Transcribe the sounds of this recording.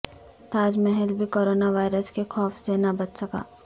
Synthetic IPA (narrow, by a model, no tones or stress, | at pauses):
t̪aːd͡ʒmɛɦɛlbʱikoːɾoːnaʋaːɪɾəskexɔːfsenabɐt̪sɐka̰ː